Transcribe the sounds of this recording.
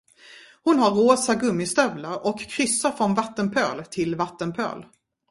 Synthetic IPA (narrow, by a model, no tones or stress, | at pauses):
hʊnɦaɾːoːsaɡɵmːɪst̪œvlaɾʔɔkʰːɾʏsːafɾɔnvat̪ːənpʰøːlt̪ʰɪlvat̪ːənpʰø̰ːl